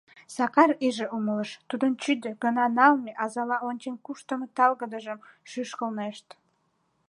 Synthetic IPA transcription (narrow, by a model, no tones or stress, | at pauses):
sɑkɑɾiʒeumələʃt̪ud̪ənt͡ɕyd̪øɡənɑnɑlˠmeʔɑzɑlɑonʲt͡ɕenkuʃt̪əmət̪ɑlɣəd̪əʒəmʃyʃkəlneʃt̪